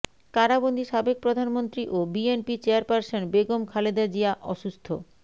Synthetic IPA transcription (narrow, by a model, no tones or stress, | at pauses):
kaɾabond̪ʱiʃabek̚pɾod̪ʱanmont̪ɾiʔobienpit͡ɕeaɾpaɾsonbeɡomkʰaled̪ad͡ʑiaʔɔʃust̪ʰo